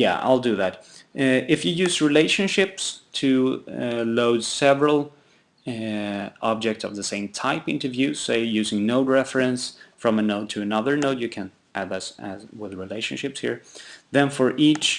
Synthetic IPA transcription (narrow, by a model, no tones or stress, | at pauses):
jæ̰a̰ɪlˠdɨðæt | ɪfjɨjʉzɹileɪʃɨ̃nʃɪpstʰɨ | loʊdsɛvɹəl̩ˠ | ʔɑb̚d͡ʒɛk̚tsʌ̰vðɨsẽɪ̃mtʰaɪpɪ̃ntə˞vjʉz̥seʊjʉzɪ̃ŋnoʊt̚ɹɛfɹɨ̃nsfɹʌ̃mɨnoʊttʰɨːnʌðə˞noʊtjɨkʰɨ̃n | ʔædʌsɨzwɪðɹileɪʃɨ̃n̩ʃɪpshḭɹðɨ̃nfə˞ʔit͡ʃ